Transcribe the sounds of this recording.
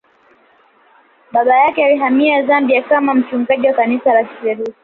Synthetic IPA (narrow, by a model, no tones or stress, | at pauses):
ɓaɓajakɛaliɦamiazambiakamam̩t͡ʃuŋɡaʄiwakanisalaki̥pɛɾusi